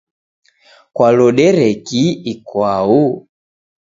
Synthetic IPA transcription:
kwalɔɗɛɾɛkiikwau

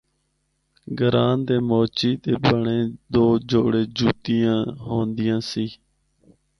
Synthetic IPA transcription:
ɡəɾaːnd̪eːmoːt͡ʃiːd̪eːbəɳeːd̪oːd͡ʒoːɽeːd͡ʒuːt̪iːjãːɦoːnd̪ɪjãːsiː

